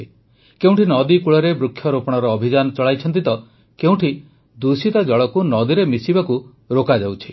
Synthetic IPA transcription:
keũʈʰinɔd̪ikuɭɔɾebɾukʰːjɔɾopɔɽ̃ɔɾɔːbʱid͡ʒanɔt͡ʃɔɭajt͡ʃʰɔnt̪̬it̪ɔ | keũʈʰi | d̪usit̪ad͡ʒɔɭɔkunɔd̪iɾemisibaku | ɾokad͡ʒawt͡ʃʰi̥

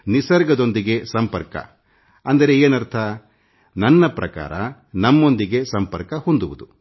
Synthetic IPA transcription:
nisɐɾɡɐd̪o̞nd̪iɡe̞sɐmpɐɾkɐ̰ | ɐnd̪ɐɾe̞eːnɐɾt̪ʰɐ | nɐnːɐpɾɐka̰ːɾɐ | nɐmːo̞nd̪iɡe̞sɐmpɐɾkɐhond̪uʋud̪u

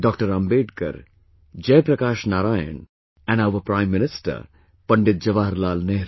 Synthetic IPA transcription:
ɖɔːkʈəɾɐ̃mbeːɖkɐ̰ɾ | d͡ʒɛːpɾɐkaːʃnaːɾaːjə̰n | ɛ̃naʊʋəpɾãɪ̃mːɪnɪsʈə̰ɾ | pɐɳɖɪt̪̚d͡ʒɐʋaːɾlaːlneɦɾ

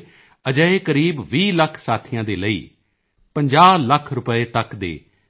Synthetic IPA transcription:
əd͡ʒəeːkəɾiːbʋiːləkʰsaːt̪ʰijãːd̪eːləḭː | pəɲd͡ʒaːləkʰɾʊpəeːt̪əkd̪ḛː

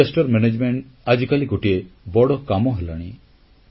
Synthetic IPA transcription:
esʈɔɾmened͡ʒmeɳʈ | ad͡ʒikaliɡoʈiebɔɽɔkamɔɦelaɽ̃i

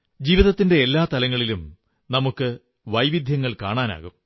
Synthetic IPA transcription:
d͡ʑiːʋiðɐt̪ːinde̞ːlːaːt̪ɐlɐŋːɐɭilum | nɐmukːɨ | ʋɐjʋid̪ʱjɐŋːɐɭka̰ːɳaːna̰ːɣum

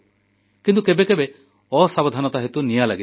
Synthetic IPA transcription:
kint̪ukebekebe | ɔsabɔd̪ʱanɔt̪aɦet̪unijalaɡi

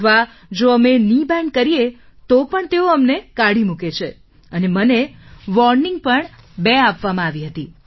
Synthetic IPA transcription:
ʋa | d͡ʒoəmenibɛ̃ɳɖ̚kəɾijet̪opəɳt̪eoəmnekaɽimũket͡ʃʰe | əneməneʋɔɾniŋɡ̚pəɳbeapʋamãaʋiɦət̪i

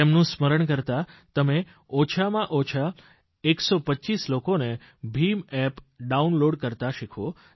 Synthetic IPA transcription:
emnũsməɾəɳkəɾt̪at̪əme | ɔt͡ʃʰamãʔɔt͡ʃʰa | eksɔpəːt͡ʃislokone | bʱimɛpɖaunloɽkəɾt̪aʃikʰo

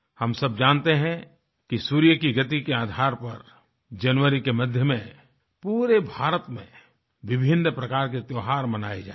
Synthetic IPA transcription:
hɐmsɐb̚d͡ʒãːnt̪eɦɛ̃ | kisuːɾijəkiɡɐt̪ikeaːd̪ʱaːɾpɐɾ | d͡ʒɐnʋəɾikemɐd̪ʱjəmẽ | puːɾebʱaːɾət̪mḛ̃ | ʋɪbʱɪnːpɾɐkaːɾk̬et̪joːɦaːɾmɐna̰ːed͡ʒa̰ː

